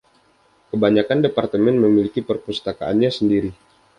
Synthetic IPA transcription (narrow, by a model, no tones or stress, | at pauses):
kəbaɲakandepart̪əmɛnməmilikipərpust̪akaʔa̰nɲasəndiɾi